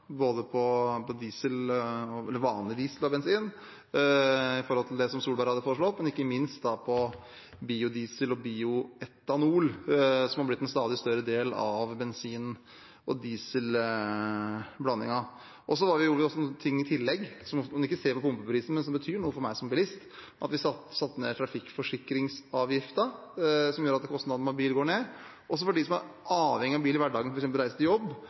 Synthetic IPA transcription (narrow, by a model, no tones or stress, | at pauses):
boːd̪əpʰɔpɔd̪iːsəlɔɛlːəɾʋɑːnlɪd̪iːsəlɔbɛnsiːn | ɪfɔɾhɔlt̪ʰɪld̪ɛsɔmsuːlbɑɾhɑd̪əfoːɾəʂɭɔt̪ːmɛnɪkːəmɪnst̪d̪ɑpʰɔ | biːʊd̪iːsəlɔbiːʊɛt̪ːɑnuːlsɔmhɑblɪt̪ːɛnst̪ɑːd̪ɪst̪œɾəd̪eːlɑʋbɛnsiːn | ʔɔd̪iːsəl | blɑnːɪŋɑ | ʔɔs̬ɔhɑɾʋɪjʊɔsːɔnːt̪ʰɪŋːɪt̪ʰɪlːɛɡsɔmnɪkːəseːɾpɔpʰʊmpəpɾiːsn̩mɛnsɔmbət̪ʰyːɳuːəfɔɾmæɪsɔmbɪlɪst̪ʔɑt̪ʋɪsɑt̪sɑt̪ːnḛt̪ʰɾɑfɪkːfɔʂɪkːɾɪŋsɑːʋjɪft̪əsɔmjuːɾɑt̪d̪ɛkʰɔst̪nɑd̪mɑbiːlɡoːɳeː | ʔɔsːɔfɔɖɪsɔmhɑɾʔɑːʋhɛŋːɪɑbiːlɪʋæɖɑːɡənfɔɾksɛmpəlɾæɪsət̪ɪjɔbː